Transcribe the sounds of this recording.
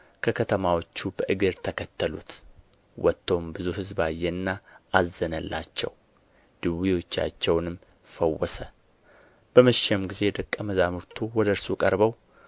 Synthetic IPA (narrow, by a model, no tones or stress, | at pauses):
kʰəkʰət̪ʰəmawo̞t͡ʃːubəʔɨɡɨɾt̪ʰəkʰət̪ːəlṵt̪ | wɔt̪ːombɨzuhɨzbajːɛɨnːaazːənəlːa̰t͡ʃːɛ̰w | d̪̥ɨwiwo̞t͡ʃːa̰t͡ʃːɛwnɨmː | fəwːɔsə | b̥əməʃɛmɡize̞d̪əkʼːəməzamuɾt̪ʰuwɔd̪əɾsukʼəɾbəw